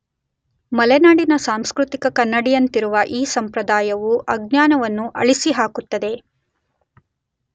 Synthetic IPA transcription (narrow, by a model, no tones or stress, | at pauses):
mɐlɛnaːɖinɐsaːmskɾut̪ikɐkɐnːɐɽijɐnt̪iɾuʋɐʔiːsɐmpɾɐd̪aːjɐʋuʔɐɡɲaːnɐʋɐnːuʔɐɭisiɦaːkut̪ːɐd̪e̞